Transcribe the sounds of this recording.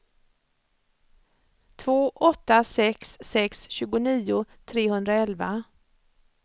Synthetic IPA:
t̪ʰvoːʔɔt̪ːasɛksːɛksɕʉ̟ːɡʊniːʊ | t̪ʰɾeːhɵnd̪ɾaɛlva

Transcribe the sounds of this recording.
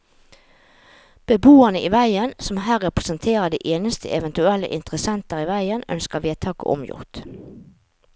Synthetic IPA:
b̥əbuːənəʔiːʋæɪənsɔmhæːʁɛpʁəsənt̪ʰeːʁəd̪iːʔeːnəst̪ʰə̰ʔɛʋɛnt̪ʉɛlːə̰ʔɪnt̪ʁəsɛnt̪əʁiʋæɪənœ̰nskəʋeːt̪ʰɑːkə̰ʔɔ̰mjʊ̰ʁt̪

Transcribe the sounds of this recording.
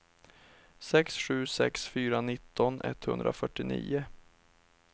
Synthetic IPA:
sɛksɧʉ̟ːsɛksfyːɾanɪt̪ːɔnʔɛ̰t̪ːhɵ̰nd̪ɾʔa̰fœʈːɪnḭːʊ

